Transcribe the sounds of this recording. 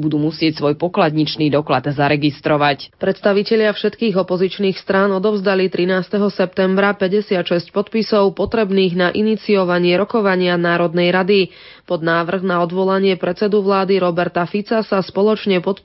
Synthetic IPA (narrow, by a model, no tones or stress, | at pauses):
bud̪uːmusɪɛcsʋɔjpɔklad̪ɲit͡ʃniːd̪ɔklad̪zaɾɛɡist̪ɾɔʋacpɾɛt̪st̪aʋicɛʎɪafʃɛt̪kiːɣɔpɔzit͡ʃniːxst̪ɾaːnɔd̪ɔʊzd̪alit̪ɾinaːst̪ɛɦɔsɛp̚t̪ɛmbɾapɛɟɛsɪat̪ʃɛsc̚pɔt̪pisɔʊpɔt̪ɾɛbniːɣnaʔinit͡siɔʋaɲɪɛɾɔkɔʋaɲɪanaːɾɔd̪nɛjɾad̪i | pɔd̪naːʋr̩ɣnaɔd̪ʋɔlaɲɪɛpɾɛtt͡sɛd̪uʋlaːd̪iɾɔbɛɾt̪afit͡sasaspɔlɔt͡ʃɲɛpɔt̪